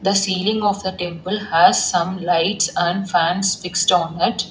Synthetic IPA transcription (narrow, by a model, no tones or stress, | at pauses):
d̪əsiːlɪ̃ŋɔːʋd̪əʈẽmpəlhæzsʌ̃mlaɪʈsæ̃ɳɖfæ̃nsfɪksʈɔ̃ːnɪʈ